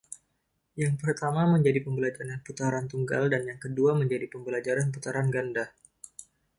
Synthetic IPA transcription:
jaŋpərt̪amaməɲd͡ʒadipəmbəlad͡ʒaɾanput̪aɾant̪uŋɡa̰ldanjaŋkəduaməɲd͡ʒadipəmbəlad͡ʒaɾanput̪aɾanɡanda

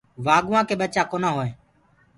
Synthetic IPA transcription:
ʋaːɡʊʋãːkeːɓət͡ʃaːkoːnãːɦoːẽː

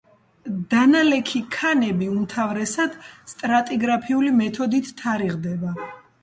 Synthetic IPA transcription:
d̪̥analɛkʰikʰanɛbiumt̪ʰavɾɛsad̪̥st̪ʼɾat̪ʼiɡɾapʰiulimɛt̪ʰɔd̪it̪ʰːaɾiʁd̪ɛba

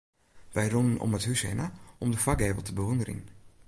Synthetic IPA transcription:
ʋɛjrunənɔ̰məthysɛ̰naʔɔmdəfak̚eːvəl̩ˠtəbəʋɔndəɾḭn

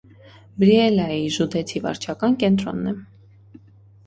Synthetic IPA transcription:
bɾiɛlɑjiʒud̪ɛt͡sʰivɑ̰ɾt͡ʃʰɑkɑnkɛnt̪ɾɔ̰nːɛ

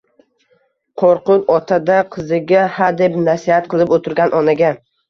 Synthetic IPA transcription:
qʰoɾqʊnɒt̪ʰad̪aqʰɨzɪɡʲahad̪e̞pnasihat̪̚qʰɨlˠɪpot̪ʰɪɾɡʲanʔɒnaɡʲa

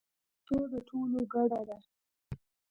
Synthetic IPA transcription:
t̪od̪əʈʰoloɡaɽad̪a

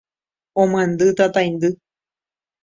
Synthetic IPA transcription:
õmãnd̪ɨt̪at̪ajnd̪ɨ

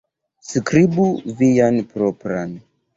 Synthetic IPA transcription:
skɾibuvijanpɾopɾan

